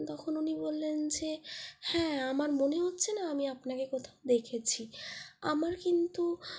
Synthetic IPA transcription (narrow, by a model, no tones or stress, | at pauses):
t̪ɔkʰonunibolːend͡ʑehɛ̃amaɾmoneɦotːɕʰenaamiapnakekɔt̪ʰaod̪ekʰet͡ɕʰia̰maɾkint̪u